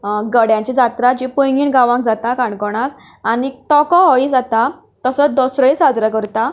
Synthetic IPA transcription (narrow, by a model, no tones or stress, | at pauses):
ɡəɽjãɲt͡ɕid͡zat̪ɾat͡ɕipujŋɡiːnɡaʋãŋk̚d͡zat̪akãɳkɔɽ̃ak | anit̪ɔkɔɦɔid͡zat̪a | t̪əsəd̪ɔsɾəisad͡zɾakəɾt̪a